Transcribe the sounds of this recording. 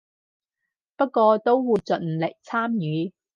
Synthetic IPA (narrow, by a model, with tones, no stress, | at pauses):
pɐ˥t̚kːʷɔː˧t̪o˥wwuː˨˧jt͡sɵ˨n̩˨le˨˩k̚t͡sʰaː˥mjyː˨˧